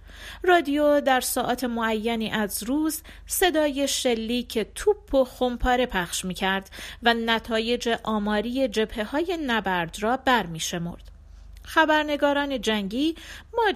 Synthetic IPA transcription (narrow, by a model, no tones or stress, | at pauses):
rɒːd̪ijod̪æɾsɒːʔɒːt̪ʰe̞moæjːæniːʔæzɾuːz | se̞d̪ɒːje̞ʃe̞lːiːcʰe̞t̪ʰubʰːo̞xompʰɒːɾe̞pʰæχʃmiːcʰæɾd̪̥vænæt̪ʰɒːje̞d͡ʒe̞ʔɒːmɒːɾije̞d͡ʒe̞b̥he̞hɒːje̞næbæɾd̪ɾɒːbæɾmiːʃe̞mo̰ɾd̪̥ | xæbæɾne̞ɡɒːɾɒːne̞d͡ʒæŋɟiːmɒː